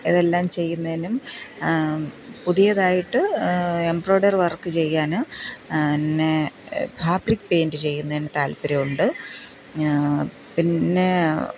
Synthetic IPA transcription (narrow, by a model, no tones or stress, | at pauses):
iðe̞lːaːmt͡ɕe̞jːunːɐðinum | puðijɐðaːjiʈːɨembro̞ːɖɐrʋɐrkːɨt͡ɕe̞jːaːnɨ | nːebʱaːbrikːpe̞ːndɨt͡ɕe̞jːunːɐðinet̪aːlpiɾɐjuɳɖɨ | pinːe̞